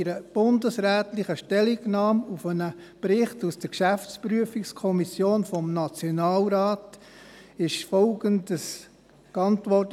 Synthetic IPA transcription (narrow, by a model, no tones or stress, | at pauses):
iɾəb̥ʊndəsɾæːtlɪχəʃtɛliɡnɑːmufənə | pɾɪχtusd̥əkʃæft͡spɾyəfikskʰɔmisjoːnfɔmnɑt͡sjɔnɑːlɾɑːt | ɪʃfɔlɡəndəs | kɑntʋɔrt